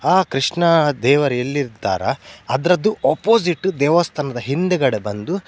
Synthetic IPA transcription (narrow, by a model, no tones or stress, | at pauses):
aːkɾiʂɳɐd̪ɛːʋɐɾelːiɾt̪ːa̰ːɾɐ̰ɐd̪ɐɾɐd̪ːuʔɐpoːs̬iʈːud̪ɛːʋɐst̪ʰɐnɐd̪ɐɦind̪ɛɡɐɽebɐnd̪u